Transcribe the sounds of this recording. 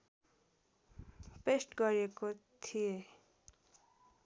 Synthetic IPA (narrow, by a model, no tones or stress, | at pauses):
pesʈɡʌɾiekot̪ʰije